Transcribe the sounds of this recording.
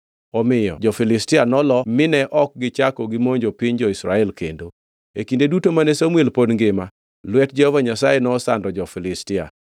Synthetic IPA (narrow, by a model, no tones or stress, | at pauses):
ɔmɪjɔ̰d͡ʒɔfɪlɪstɪanɔlɔmɪnɛʔɔk̚ɡɪt͡ʃakɔɡɪmoɲd͡ʒopɪɲd͡ʒɔisɾaɛlkendo | ekindedutomanesomwelpodŋɡɪma | lwɛt̚d͡ʒɛhɔvaɲasajenɔːsandɔd͡ʒɔfɪlɪstɪa̰